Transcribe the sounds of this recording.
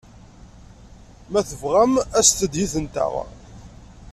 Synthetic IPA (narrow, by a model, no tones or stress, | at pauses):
mæθəvʁæmæst̪əd̪jiθənt̪ə̰ʁ